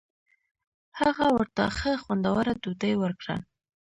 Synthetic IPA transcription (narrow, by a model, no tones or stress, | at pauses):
haɣawəɾt̪a̰xəxwand̪awaɾad̪ud̪əjwəɾkɽa̰